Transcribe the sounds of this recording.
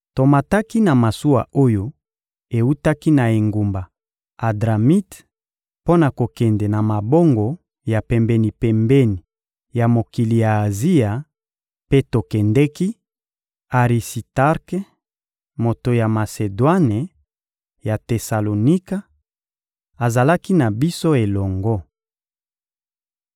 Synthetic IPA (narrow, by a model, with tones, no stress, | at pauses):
to˨ma˨ta˦ki˦na˨ma˨su˦wa̰˨o˦jo˦ | e˨u˦ta˦ki˦na˨e˨ŋɡu˨mba˨ | a˨dʁa˨mi˦t | po˦na˨ko˨kɛ˨ndɛ˨na˨ma˨bo˦ŋɡo˨ | ja˨pɛ˨mbɛ˨ni˨pɛ˨mbɛ˦ni˨ | ja˨mo˨ki˨li˨jaː˨zi˦ja˨ | pe˦to˨kɛ˨ndɛ˦ki˦ | a˨ʁi˨si˨ta˦ʁk | mo˨to˨ja˨ma˨se˨dwa˦ne˨ | ja˨te˨sa˨lo˨ni˦ka˦ | a˨za˨la˦ki˦na˨bi˦so˦e˨lɔ˨ŋɡo˦